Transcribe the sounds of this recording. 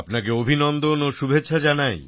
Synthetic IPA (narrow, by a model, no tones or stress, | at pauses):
pnak̬eobʱinɔnd̪onoʃubʱetːɕʰad͡ʑanaj